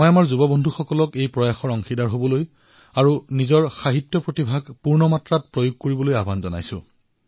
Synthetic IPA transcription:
mɔjamaɹzubɔbɔndʱuxɔkɔlɔkejpɹɔjaxɔɹɔŋxidaɹɦobɔloj | aɹunizɔɹxaɦitːjɔpɹotibʱaɡpuɹnɔmatɹat̚pɹojuɡ̚koɹibɔlojabʱanzɔna̰jsʊ̰̃

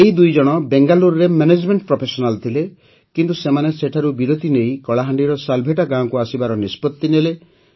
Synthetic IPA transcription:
eid̪ujd͡ʒɔɽ̃ɔbeŋɡaluɾɾemened͡ʒmeɳʈ̚pɾɔpʰesɔnalt̪ʰile | kint̪usemaneseʈʰaɾubiɾot̪inejkɔɭaɦaɳɖiɾɔsalbʱeʈaɡãɔkuasibaɾɔnispɔt̪ːinele

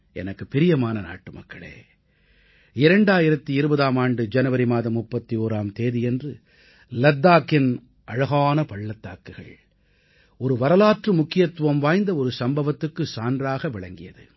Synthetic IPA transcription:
ɛ̰nɐkːɯpɪɾɪjɐmaːnɐna̰ːʈːɯmɐ̰kːɐɭḛː | ɪɾɐɳɖaːjɪɾɐt̪ːiɪɾɯbɐðaːmaːɳɖɯd͡ʒɐnɐʋɐɾimaːðɐmːʊpːɐt̪ːioːɾaːmt̪eːðɪjɛndrɯ | lɐd̪ːaːkːɪn | ʔɐɻɐɣaːnɐpɐɭːɐt̪ːaːkːɯɣɐ̰ɭ | ɔɾɯʋɐɾɐlaːʈrɯmʊkːɪjɐt̪ːɯʋɐmʋaːjnd̪ɐɔɾɯsɐmbɐʋɐt̪ːɯkːɯsaːndraːɣɐʋɪɭɐŋɡɪjɐðɯ̰

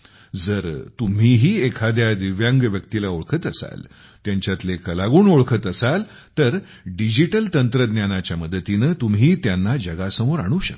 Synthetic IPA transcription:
d͡zəɾt̪um̤iɦiːekʰad̪jad̪iʋjãŋɡʋjəkt̪ilaoɭkʰət̪əsa̰l | t̪jaɲt͡ɕjat̪lekəlaɡuːnoɭkʰət̪əsal | t̪əɾ | ɖid͡ʑiʈəlt̪ənt̪ɾəd̪njanat͡ɕjaməd̪ət̪inəːt̪umɦiːt̪janːad͡ʑəɡasəmoɾaɽ̃ũːɕək

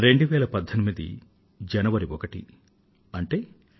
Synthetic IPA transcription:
ɾe̞ɳɖuʋɛːɭɐpɐd̪ʱːɐnimid̪ḭ | d͡ʒɐnɐʋɐɾiʋɔkɐʈḭ | ɐɳʈe̞ː

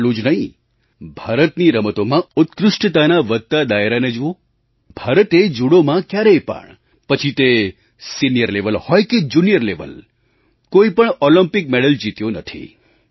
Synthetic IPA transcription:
lũd͡ʒnəɦĩ | bʱaɾət̪niɾəmət̪omãʊt̪kɾʊʃʈət̪anaʋət̪̚t̪ːad̪aeɾaned͡ʒuõ | bʱaɾət̪ed͡ʒuɽomãkjaɾejpə̰ɳ | pət͡ʃʰit̪e | sinijəɾleʋəlhɔjked͡ʒunijəɾleʋə̰l | koipəɳɔlimpɪk̚meɽəld͡ʒit̪jonət̪ʰḭ

